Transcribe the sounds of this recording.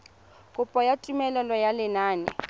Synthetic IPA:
kʼʊpʼɔjatʼumɛlɛlɔjalɪnaːnɛ̰

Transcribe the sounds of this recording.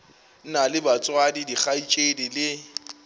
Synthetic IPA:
nalɪbat͡sʼwadidik͡xait͡ʃʼedilɪ

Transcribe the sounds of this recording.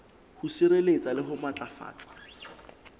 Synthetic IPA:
husiɾelet͡sʼalɪɦʊmat͡ɬʼafa̰ːt͡sʼḁ

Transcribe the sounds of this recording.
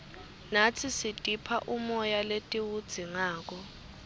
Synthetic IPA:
nat͡sʰisitʼipʰaʔumɔjaletʼiwud̥z̥ʱiŋaːk̬ɔ

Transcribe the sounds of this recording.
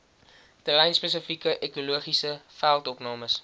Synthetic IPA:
təlɛjnspesəfikəʔekuluəχisəfælˠtɔpnɑːməs

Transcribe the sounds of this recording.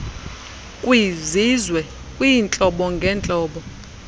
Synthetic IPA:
kʼwizizwɛ | kʼwint͡ɬʼɔɓɔŋɡʱɛːnt͡ɬʼɔːɓɔ

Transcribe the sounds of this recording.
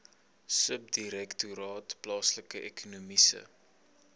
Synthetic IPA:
səp̚diɾɛktuɾɑːtplɑːsləkəʔɛkʰunumisə̰

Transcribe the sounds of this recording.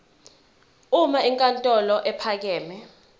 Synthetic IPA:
umaiŋkʼantʼɔlɔʔɛpʰak̬ɛːmɛ

